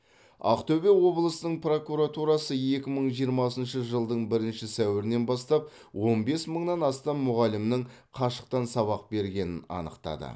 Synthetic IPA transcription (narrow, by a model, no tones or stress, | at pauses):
ɑ̰qt̪ʰɵbe̞wo̞blˠəsənəɴpro̞kuɾat̪uɾɑsəje̞kʲɪməɴʒijəɾmɑsənʃəʒəlˠd̪əɴbɪɾɪnʃɪsæwɪɾɪne̞nbɑst̪ɑp̚ | wo̞nbe̞sməɴnɑnɑst̪ɑmmːʊʁɑlɪmnɪɴ | qʰɑʃə̥q̚t̪ɑnsɑβɑq̚be̞ɾɡʲe̞nɪnɑ̰nəqt̪ɑ̰d̪ə̰